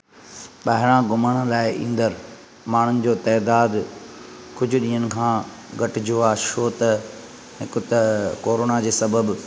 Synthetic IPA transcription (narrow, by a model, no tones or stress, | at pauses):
ɓaɦɪɾ̃ãɡʊməɽ̃əlaːɪʔḭ̃ːn̆d̪əɾ | maːɽ̤ʊnɪ̆d͡ʑoːt̪ɛːd̪aːd̪ | kʊd͡ʑʱʊɗĩːɦənɪ̆kʰãː | ɡɐʈɪd͡ʑoaːʃoːt̪ɐ | ɦɪkʊt̪ɐkoːɾoːnad͡ʑeːsɐbəb